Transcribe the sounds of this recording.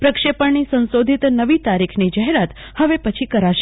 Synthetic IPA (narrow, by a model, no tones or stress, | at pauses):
pɾəkʃepəɳnisə̃nsod̪ʱit̪nəʋit̪aɾikʰnid͡ʒaɦeɾat̪ | həʋepət͡ʃʰikəɾaʃ